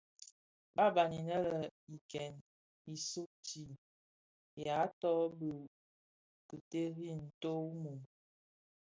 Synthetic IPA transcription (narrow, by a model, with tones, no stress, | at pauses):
ba˦ba˨ni˨nə˦lə˨i˨kɛ˨n | i˨su˦k̚t͡ʃi˨ | ja˨˦tɔ˦bə˨ | kə˨te˦ɾi˦˨n̩˨to˦mu˨m